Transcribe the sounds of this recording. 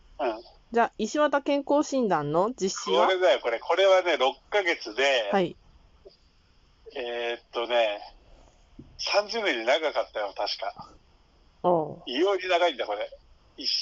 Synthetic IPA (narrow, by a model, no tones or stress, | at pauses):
ɯ̃ɴ | d͡ʑaːʔiɕiβat̪akẽ̞ŋko̞ːɕĩnd̪ãnːo̞d͡ʑiɕːioaaɾe̞d̪ajo̞ko̞ɾe̞kʰo̞ɾe̞βane̞ɾo̞kːaɡe̞t͡sɨd̪e̞hai | et̪ːo̞ne̞ | sãɲ̟d͡ʑɨneɲinaɡakat̪ːajo̞t̪aɕi̥ka̰ | oːijoːɲinaɡaĩnd̪ako̞ɾe̞ | i